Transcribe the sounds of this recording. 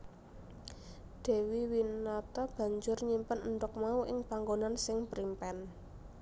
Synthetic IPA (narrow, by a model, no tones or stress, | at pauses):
d̪̥e̤wiwinɔt̪ɔb̥ä̤ɲd͡ʒʊrɲimpənənd̪ʊk̚mauʔɪŋpaŋɡonansɪŋpɾimpɛn